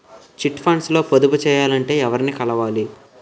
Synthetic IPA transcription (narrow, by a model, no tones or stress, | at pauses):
t͡ʃiʈpʰaːɳslo̞ːpod̪ubut͡ʃɛːjaːlɐɳʈe̞ːɛʋɐɾnikɐlɐʋaːli